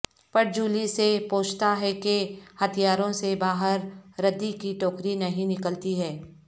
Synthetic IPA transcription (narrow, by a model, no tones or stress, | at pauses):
pɐɾd͡ʒuːlisepoːt͡ʃʰt̪aɦɛkehɐt̪ʰijaːɾõsebaːɦəɾːɐd̪ːikiʈoːkɾinɐɦĩnɪkəlt̪iɦɛː